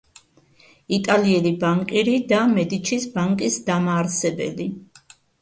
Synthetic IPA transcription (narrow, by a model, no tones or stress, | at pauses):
it̪ʼaliɛlibaŋkʼiɾid̪amɛd̪it͡ʃʰisbaŋkʼisd̪amaːɾsɛbɛ̰li